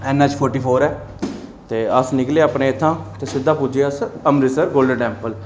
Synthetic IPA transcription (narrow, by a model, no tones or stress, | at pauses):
ɛːnːãːt͡ʃpʰoːɾʈiːpʰoːɾɛː | t̪eːəsnɪkleːaːpneːɪt̪ʰːãːt̪eːsɪd̪ːãːpʊd͡ʒeəsəmɾisəɾɡoːlɖəɖɛ̃ːmpəl